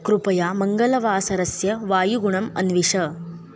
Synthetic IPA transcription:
kɾupɐjamɐŋɡɐlɐʋaːsɐɾɐsjɐʋaːjuɡuɳɐmɐ̰nʋiʂɐ

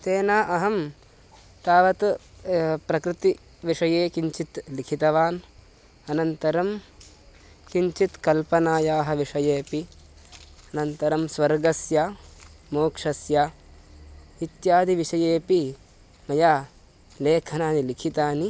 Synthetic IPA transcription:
t̪eːnaːʔɐɦɐm | t̪aːʋɐt̪ | pɾɐkɾɪt̪i | ʋiʂɐjeːkiɲt͡ʃit̪likʰit̪ɐʋaːn | ɐnɐnt̪ɐɾɐm | kiɲt͡ʃit̪kɐlpɐnaːjaːɦɐ̆ʋiʂɐjeːpi | ɐnɐnt̪ɐɾɐmsʋɐɾɡɐsjaːmoːkʂɐsjaː | it̪jaːd̪ʱiʋiʂɐjeːpi | mɐjaː | leːkʰɐnaːnilikʰit̪aːni

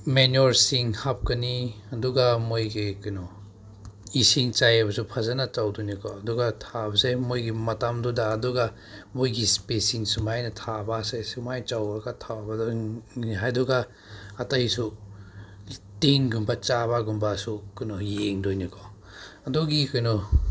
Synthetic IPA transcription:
menoɾsiŋhap̚kɐniɐduɡamojɡikunɔ | isiŋt͡ʃajɐbɐsupʰɐzɐnɐt͡ʃawdojnikʰɔɐduɡatʰabɐsemojɡimɐtamdudaːduɡa | mojɡispesiŋsumajnɐtʰabasesumajt͡ʃawaɡatʰawbadɔniɦajduɡaː | tɐjsu | teŋɡumbat͡ʃabaɡumbasukujnɔjeŋdojnikʰɔ | ɐduɡikujnɔ

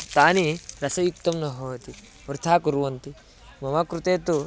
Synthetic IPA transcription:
t̪aːniɾɐsɐjuk̚t̪ɐmnɐɦoːt̪i | ʋɾt̪ʰaːkuɾuʋɐnt̪i | mɐmɐkɾut̪eːt̪u

